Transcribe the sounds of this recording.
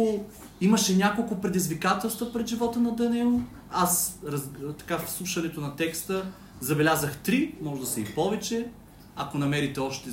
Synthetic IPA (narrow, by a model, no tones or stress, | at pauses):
iməʃɛnʲakolˠkʊpɾɛd̪izvikat̪ɛlˠst̪vəpɾɛd̪ʒivɔt̪ənɐd̪ɐnɛl | asɾɐzt̪ɐ̥kafslˠuʃɐnɛt̪onɐt̪ɛkst̪ə | zɐbɛlʲazəxt̪ɾimɔʒd̪ɐsɛipɔvɛt͡ʃɛ | ɐkonɐmɛɾit̪ɛɔʃt̪ɛ